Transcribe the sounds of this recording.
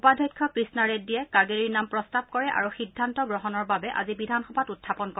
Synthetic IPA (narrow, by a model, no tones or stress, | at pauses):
upadʱɔjkʰːɔkɹisnaɹeddijɛkaɹɡeɹiɹnampɹɔstab̚kɔɹɛʔa̰ɹuxidʱːantɔɡɹɔɦɔnɔɹbabɛʔa̰zibidʱanxɔbʱatutʰːapɔnkɔ